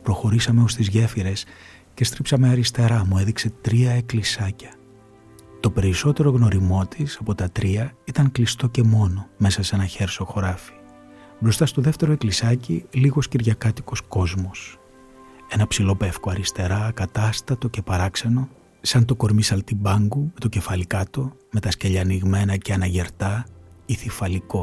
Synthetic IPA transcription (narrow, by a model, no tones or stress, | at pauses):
pɾo̞xo̞ɾisɐme̞ost̪izʝe̞fiɾe̞s | ce̞st̪ɾipsɐme̞ɐɾist̪e̞ɾɐmue̞ðikse̞t̪ɾiɐeklisɐcɐ̥ | t̪o̞pe̞ɾiso̞t̪e̞ɾo̞ɣno̞ɾimo̞t̪ʰisɐpo̞t̪ɐt̪ɾiɐit̪ɐŋklist̪o̞ce̞mo̞no̞me̞sɐse̞nɐçe̞ɾso̞xo̞ɾɐfi̥ | bɾo̞st̪ɐst̪o̞ðe̞ft̪e̞ɾoe̞klisɐciliɣo̞sciɾʝɐkɐt̪i̥ko̞sko̞zmo̞s | e̞nɐpsilo̞pe̞fkoɐɾist̪e̞ɾɐkɐt̪ɐst̪ɐt̪o̞ce̞pɐɾɐkseno̞ | sɐnt̪o̞ko̞ɾmisɐlt̪ibɐŋɡume̞t̪o̞ce̞fɐlikɐt̪o̞me̞t̪ɐsceʎɐniɣme̞nɐceɐnɐʝe̞ɾt̪ɐiθifɐliko̞